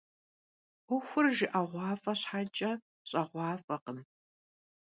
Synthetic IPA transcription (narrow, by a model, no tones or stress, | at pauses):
ʊxʷʊrʒɪʔaʁʷɑːfʼɐɕħat͡ʃʼɐ | ɕʼɐʁʷɑːfɐqən